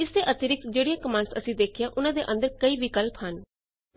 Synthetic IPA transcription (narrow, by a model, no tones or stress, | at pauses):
ɪsd̪eʔət̪ɪɾɪk̚t̪d͡ʒeːɽijãːkəmãːɳsə̰sĩd̪eːkʰɪjãʔʊnãːd̪eʔə̃nd̪əɾkəiːʋɪkəlpɦən